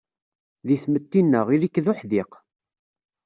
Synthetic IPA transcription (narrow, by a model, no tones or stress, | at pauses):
ðiθmət̪ːinːəʁilikːðʊħðiq